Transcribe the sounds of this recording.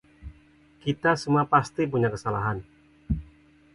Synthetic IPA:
kit̪asəmuapast̪ip̬uɲakəsalaɦan

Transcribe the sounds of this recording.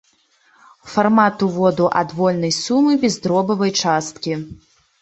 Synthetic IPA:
farmat̪uvɔd̪uʔɐ̰d̪vɔlʲnɐjsumɨbʲɛzd̪ɾɔbɐvɐjt͡ʂast̪̚kʲi

